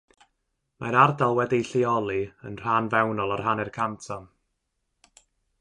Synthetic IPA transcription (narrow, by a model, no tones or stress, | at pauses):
maɾardalˠwɛdiɬiɔlˠiənr̥anvɛwnɔlˠar̥ɦanɛrkʰamtʰam